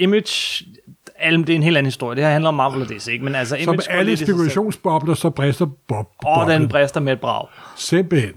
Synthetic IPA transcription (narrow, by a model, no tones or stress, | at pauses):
imid̥j | ælmd̥eɐe̝nɦe̝ːlæn̩hisd̥o̝ɐjəd̥ehɑhændl̩əɒ̽mːɑ̈ʋolɐd̥eseɡ̥əmenælsəisɒ̽mæləsikʰulæɕo̝̰ːnsb̥ɒ̽b̥lɐsɒ̽b̥ʁɛsd̥ɐb̥bɒdenb̥ʁɛsd̥ɐmed̥̚b̥ʁɑ̰̈ʊsenb̥en